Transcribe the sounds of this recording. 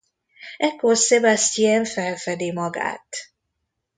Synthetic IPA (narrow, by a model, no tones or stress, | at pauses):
ɛkːorsebɛst̪iɛɱfɛlfɛd̪imɒɡa̰ːt̪